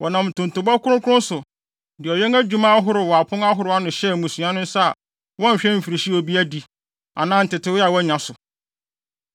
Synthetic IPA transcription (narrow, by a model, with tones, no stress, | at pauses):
wɔ˨nã˨mtʰʊ̃˨ntʊ̃˨bɔ˦kʰʊ˦ɾʊ̃˦kʰʊ˦ʊ̃˦n˦sʊ˨ | dɪ˨ɔ˨ɥɛ˦ŋæ˦d͡ʑᶣu˦mã˦a˦ɦʊ˦ɾʊ˨wɔ˨a˨pʰʊ̃˦ŋa˦ɦʊ˦ɾʊ˨˦a˦nʊ̃˨ɕɛ˦˨mũ˨sũ˨ã˦nʊ̃˦n˦sa˦a˨ | wɔ̃˦˨ɕᶣɛ̃˦m̩˨fi˨ɾi˨ɕi˦ɔ˨bi˦æ˦di˨ | a̰˨nãː˦n̩˨tɪ˨tʰɪ˦wa˨wɔ˦ɲã˨sʊ˨